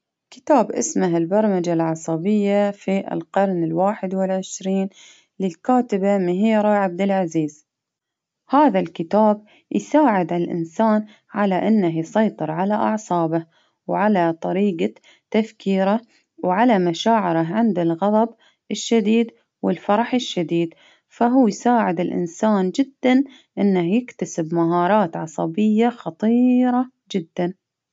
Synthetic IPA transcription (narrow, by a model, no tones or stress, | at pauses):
kɪ̥t̪aːbʔɪ̰smaɦɪlbɑɾˤmad͡ʒalʕɑsˤɑbɪjːafiʔɪ̰lqɑɾˤnɪlwaːħɪd̪wɪlʕɪʃɾiːn | lɪlkaːt̪ɪbamɪɦiːɾˤaʕab̚d̪ɪlʕaziːz̥ | haːðalkɪt̪aːb̚ | jsaːʕɪd̪ʕalʔɪ̰nsaːn | ʕalaʔɪnːahjsˤɑjt̪ˤɨɾʕalaʔɑ̰ʕsˤɑːbah | wʕalat̪ˤɑɾiːɡa | t̪ːafkʰiːɾa | wʕalamaʃaːʕɪɾɪʕɪnd̪ɪlɣɑðˤɑb | ɪʃːad̪iːd̪ | wɪlfɑɾˤɑħɪʃːad̪iːd̪ | faɦuːjsaːʕɪd̪ɪlʔɪ̰nsaːnd͡ʒɪd̪ːan | ʔɪnːahjɪkt̪asɪbmaɦɑːɾˤɑːt̪ʕɑsˤɑbɪjːaxɑt̪ˤiːɾˤɑ | d͡ʒɪd̪ːan